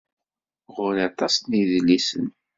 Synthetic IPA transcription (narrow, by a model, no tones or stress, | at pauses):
ʁʊɾɑt̪ˤɑsniðlːisə̰n